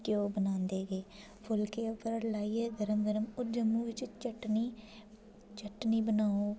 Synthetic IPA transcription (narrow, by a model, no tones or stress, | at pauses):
kjoːbənãːnd̪eːɡeː | pʰʊlkeːʊpəɾlaːiːɛːɡəɾəmɡəɾəmʊd͡ʒəmːuːʋɪt͡ʃt͡ʃəʈniː | t͡ʃəʈniːbənaːoː